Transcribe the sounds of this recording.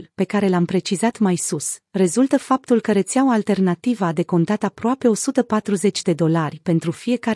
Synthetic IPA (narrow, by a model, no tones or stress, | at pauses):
lpe̞kaɾe̞lampɾe̞t͡ʃizat̪majsusre̞zult̪əfap̚t̪ulkəɾet̪sjaoalt̪e̞rnat̪ivəːd̪e̞ko̞nt̪at̪apɾoape̞o̞sut̪əpat̪ɾuze̞t͡ʃʲd̪e̞d̪o̞larʲpe̞nt̪ɾufije̞ka